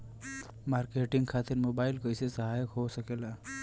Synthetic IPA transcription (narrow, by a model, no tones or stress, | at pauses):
maɾkeʈɪŋɡkʰat̪ɪɾmobaːɪlkəɪsesəɦajəkɦosəkela